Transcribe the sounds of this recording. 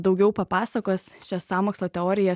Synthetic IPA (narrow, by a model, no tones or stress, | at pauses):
d̪ɒʊɡʲɛʊpɐpɑːsɐkoːsʃʲɛssɑːmoːkslˠoːt̪ʲɛoːɾʲɪjɛ